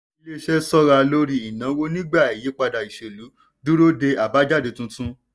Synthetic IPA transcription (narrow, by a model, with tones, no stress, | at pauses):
i˦le˦ʃɛ˦sɔ˦ɾa˧lo˦ɾi˧i˨nã˨˦wo˦nĩ˦ɡ͡ba˦˨e˨ji˨˦k͡pa˧da˨i˨ʃe˨lu˨˦ | du˦ɾo˦de˧a˨ba˨˦d͡ʒa˦˨de˨˧˨tũ˦tũ˦